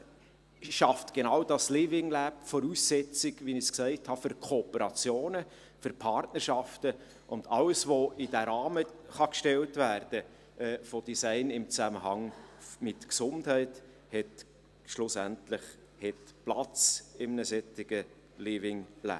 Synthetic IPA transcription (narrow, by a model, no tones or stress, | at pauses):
ʃɑftɡ̥enɑʊd̥ɑslivɪŋlæp̚fɔɾusːɛt͡sɪɡʋinɪsksæɪthɑfʏɾkʰoːpəɾɑt͡sjoːnə | fʏɾpʰɑɾtnərʃɑftə | ʔʊndɑləsvoɪd̥æɾɑːməχɑkʃtɛltvæːrd̥ə | ɛfɔd̥isæɪnɪmt͡sæməhɑŋmɪtksʊnthɛɪt | hɛt | ʃlʊsæntlɪχ | hɛtplɑt͡sɪmnəsɛtɪɡ̥ə | livɪŋlæ̰